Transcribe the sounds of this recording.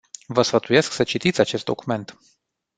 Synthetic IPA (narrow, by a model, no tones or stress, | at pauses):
vəsfət̪uje̞sksət͡ʃit̪it̪sʲat͡ʃe̞st̪d̪o̰kume̞nt̪